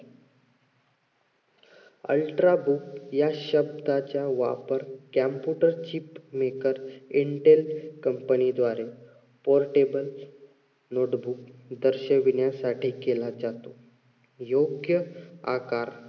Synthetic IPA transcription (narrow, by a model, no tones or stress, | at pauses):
ə̰lʈɾabukjaɕəb̚d̪ʱat͡ɕjaʋa̰pəɾkæmpjuʈəɾt͡ɕiːpmekəɾiɳʈelkəmpənid̪ʋaɾe | poɾʈebəl | noʈbukd̪əɾɕəʋinjasaʈʰiːkelad͡zat̪o | joɡjəa̰kaɾ